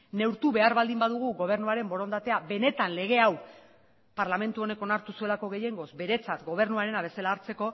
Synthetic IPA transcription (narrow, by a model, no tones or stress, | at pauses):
ne̞wɾt̪uβe̞aɾβald̪imbaðuɣ̞uɣo̞β̞e̞ɾnuaɾe̞mbo̞ɾo̞nd̪at̪e̞abe̞ne̞t̪anle̞ɣ̞e̞aw | paɾlame̞nt̪uo̞ne̞ko̞naɾt̪usue̞lako̞ɣe̞je̞ŋɡo̞sbe̞ɾe̞t͡sat̪ɡo̞β̞e̞ɾnuaɾe̞naβ̞e̞se̞laːɾt͡se̞ko̞